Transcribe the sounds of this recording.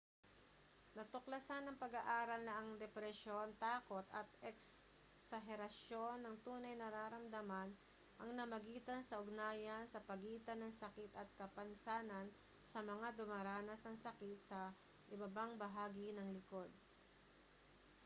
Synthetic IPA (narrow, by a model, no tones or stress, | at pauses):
nɐt̪ʊklɐsanɐŋpɐɡaʔaːɾɐlnɐʔɐŋd̪ɛpɾɛʃo̞nt̪aːko̞t̪ɐt̪ɛks | sɐɦɛɾɐʃjo̞nːɐŋt̪uːnɐjnɐɾaːɾɐmd̪ɐman | ʔɐŋnɐmɐɡiːt̪ɐnsɐʔʊɡ̚naːjɐnsɐpɐɡiːt̪ɐnɐŋsɐkɪt̪ɐt̪̚kɐpɐnsaːnɐn | sɐmɐŋad̪ʊmaɾaːnɐsnɐŋsɐkɪt̪̚sɐ | ʔɪbɐbaŋbɐɦaːɡɪnɐŋlɪko̞d̪̚